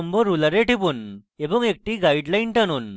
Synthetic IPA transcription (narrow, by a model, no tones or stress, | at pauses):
əmbɔɾulaɾeʈipunebəŋek̚ʈiɡaiɖlainʈañuːn